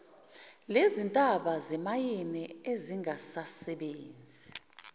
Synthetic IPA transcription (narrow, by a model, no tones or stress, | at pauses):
lezintʼaɓazɛmajinɛeziŋasasɛɓeːnd͡zʱi